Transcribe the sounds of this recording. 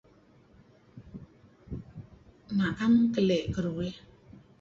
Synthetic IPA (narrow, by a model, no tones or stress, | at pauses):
nakamkəlɛʔkəɾuwɛ